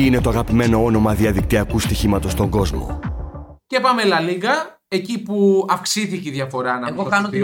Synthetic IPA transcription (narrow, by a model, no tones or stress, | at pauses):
ine̞t̪oɐɣɐpime̞no̞o̞no̞mɐðiɐðikt̪iɐkust̪içimɐt̪o̞st̪o̞ŋɡo̞zmo̰ | cepɐmelɐliɣɐ | e̞cipuɐfksiθiceiðʝɐfo̞ɾɐnɐɣokɐnot̪